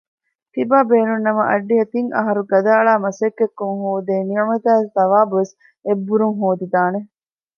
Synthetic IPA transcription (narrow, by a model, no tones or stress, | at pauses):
t̪ibaːbeːnunːɐmɐʔɐɖːiɦɐt̪iŋɐ̰ɦɐɾuɡɐd̪aːɭaːmɐsekːekːuŋɦoːd̪eːniɐmɐt̪æːesd̪ɐʋaːbuʋes | ebːuɾuŋɦoːd̪id̪aːne